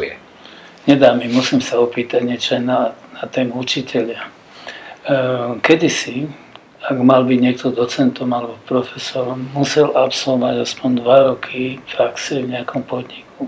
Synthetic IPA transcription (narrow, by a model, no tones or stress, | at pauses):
ɛ | ɲɛd̪aːmimusimsaɔpiːt̪aɟɲɛt͡ʃɔajnanat̪ɛːmuut͡ʃicʰɛʎɪa | kɛd̪isi | aɡmalbiɟɲɪɛk̚t̪ɔd̪ɔt͡sɛnt̪ɔmalɛbɔpɾɔfɛsɔɾɔmːusɛlapsɔlʋɔaɟaspɔnd̪ʋaɾɔkʰipɾaksɛvɲɛakʰɔmpɔd̪ɲikʰu